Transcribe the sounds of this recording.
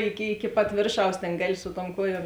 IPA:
ˈɪkʲɪ ɪkʲɪ pɐt ˈʋʲeːrˌʃɐʊs ˈtʲeːn ˈɡɑːˌlʲɪ sʊ tuɔm ˈkuɔˌjuɔm

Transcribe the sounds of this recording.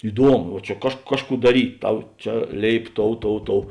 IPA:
ɪˈduɔmʊ ʋɐ ˈt͡ʃʲɛ kɐʃ ˈkɑːʃˌkuː dɐˈrʲiːtʲ ˈtɐʊ ˈt͡ʃʲɛ ˈlʲeːɪp ˈtoːʊ ˈtoːʊ ˈtoːʊ

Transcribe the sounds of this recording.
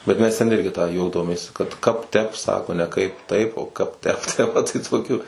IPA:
bʲɛt ˈmʲɛs tʲɛnʲˈɪrʲɡʲɪ tɑː ˈjɛʊtoːmʲeːs kɐt ˈkɐp ˈtʲɛp ˈsɑːkoː nʲɛ ˈkɐɪp ˈtɐɪp oː ˈkɐp ˈtʲɛp ˈtʲɛ mɐˈtɐɪ toːˈkʲuː

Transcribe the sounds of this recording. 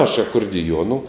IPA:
ɐʃ ɐkʊrʲdʲɪˈjuɔnʊ

